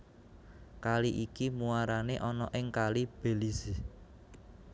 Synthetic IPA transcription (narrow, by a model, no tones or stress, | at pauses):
kaliʔikimuaɾaneʔɔnɔʔɪŋkalib̥e̤lizi